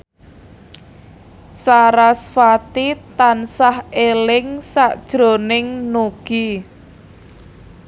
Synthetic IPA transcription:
saɾasfat̪it̪ansahelɪŋsaʔd̥ʒ̥ɾo̤nɪŋnuɡ̥i

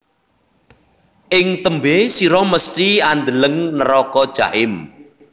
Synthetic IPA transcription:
ʔɪŋt̪əmbesiɾɔməst̪iand̪ələŋnəɾɔkɔd̥ʒ̥a̰ʔɪm

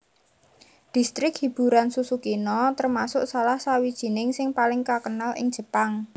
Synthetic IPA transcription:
d̪̥i̤st̪ɾɪkhib̥ṳɾansusukinɔt̪ərmasʊʔsalahsawid̥ʒ̥i̤nɪŋsɪŋpalɪŋkakənalʔɪ̰ŋ̥ʒ̥ə̤paŋ

